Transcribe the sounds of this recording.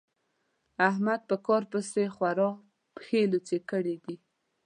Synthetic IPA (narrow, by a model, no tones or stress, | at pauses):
ahmad̪̚pəkɑɾpəsexwaɾɑ | pxelot͡sekəɽid̪i